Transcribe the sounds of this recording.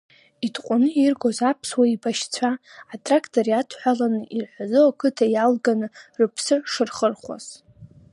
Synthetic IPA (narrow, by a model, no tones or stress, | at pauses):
idʰqʷʼʊnɨirɡʷozapʰswaibaʃt͡sʷʰaːtʰʼrakʰtʰoɾiatʰħʷᶣalanɨʔirħʷazɨwakʰɨtʰajalɡanɨrɨpʰsɨʂɨrχərχʷa̰z̥